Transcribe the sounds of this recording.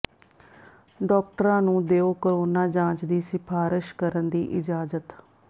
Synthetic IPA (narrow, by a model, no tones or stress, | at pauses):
ɖɔːk̚ʈəɾãːnũːd̪eːoːkəɾoːnaːd͡ʒãːt͡ʃd̪iːsɪpʰaːɾɪʃkəɾənd̪ḭːʔɪd͡ʒaːzət̪